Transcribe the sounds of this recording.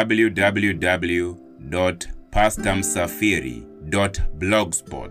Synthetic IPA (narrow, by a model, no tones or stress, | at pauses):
abljudabljudabl̩ju | dɔtpʰastãmsafiɾḭ | dɔtblɔɡspɔ̰t